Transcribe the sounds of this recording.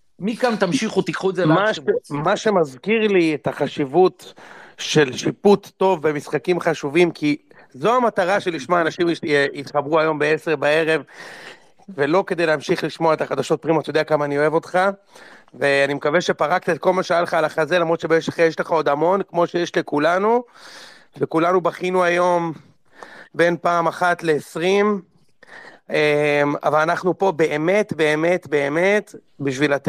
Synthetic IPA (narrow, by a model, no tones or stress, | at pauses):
mikamt̪amʃiχut̪ikχuezemaʃemaʃe̞mazkiʁliet̪aχaʃivut̪ʃe̞lʃiput̪ːo̞vːe̞misχakimχaʃuvimkʰi | zo̞amataʁaʃe̞liʃmaaːnaʃimit̪χabʁuajo̞mbeese̞ʁbae̞ʁe̞v | ve̞lo̞kedejleamʃiχliʃmoae̞t̪aχad̪aʃo̞t̪̚pʁimot̪jo̞deakamaːnio̞evo̞t̪χa | ve̞animekaveʃe̞paʁakt̪aet̪̚ko̞lmaʃejalχaːlaχazelamʁo̞d̪ʃebeeʃeχajeʃleχao̞d̪amo̞nkmo̞ʃejeʃlekulanu | vekulanubaχinuajo̞m | be̞npaːmaχat̪le̞ːsʁim | ema̰valanaχnupo̞be̞ʔeme̞t̪be̞ːme̞t̪be̞ːme̞t̪ | biʃvilat̪